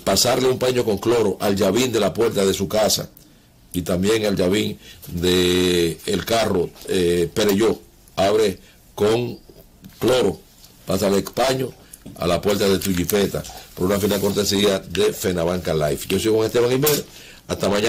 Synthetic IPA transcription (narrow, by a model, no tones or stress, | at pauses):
pasaɾleumpaɲo̞ko̞ŋklo̞ɾo̞ʔalʝaβind̪e̞lapwe̞ɾt̪aðe̞sukasa̰ | it̪ambje̞ŋald͡ʒaβiŋd̪e̞ː | lkaro̞pe̞ɾeʝo | aβɾe | ko̞ŋ | klo̞ɾo̞ | pasalekpaɲo̞ | a̰lapwe̞ɾt̪aðet̪uʝipe̞t̪a̰po̞ɾunafinalko̞ɾt̪e̞siaðe̞fe̞naβaŋkalajfɟ͡ʝo̞siko̞ŋest̪e̞βaŋimeð | ast̪amãɲa